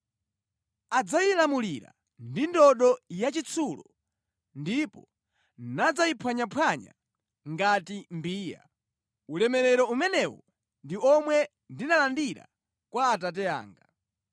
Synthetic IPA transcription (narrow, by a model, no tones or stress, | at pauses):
ad͡zajilamuliɾa̰ | ndindɔɗɔjat͡ʃit͡sʰulɔ | ndipɔ | nad͡zaipʰwaɲapʰwaɲa̰ | ŋɡatimbiːja̰ | ulɛmɛɾɛɾɔumɛnɛwɔ | ndiɔmwɛ | ndinalandiɾa̰ | kwaːt̬at̬ɛa̰ːŋɡa